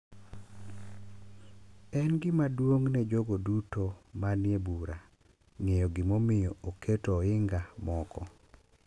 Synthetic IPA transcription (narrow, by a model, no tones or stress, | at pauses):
ɛnɡɪmadwoŋnɛd͡ʒoɡodutomanjebuɾa | ŋejɔɡɪmomɪjɔokʰetɔɪŋɡamɔkʰɔ